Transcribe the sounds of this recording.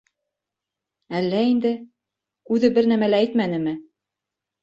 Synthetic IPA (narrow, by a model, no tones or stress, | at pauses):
ælːæind̪ɘ | kʉðɘbɘɾnæmælæːjt̪mænɘmɘ